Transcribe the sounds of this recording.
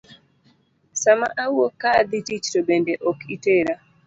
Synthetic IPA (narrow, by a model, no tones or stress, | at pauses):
sama̰ʔawokːad̪itit͡ʃtobendeʔɔkʰiteɾa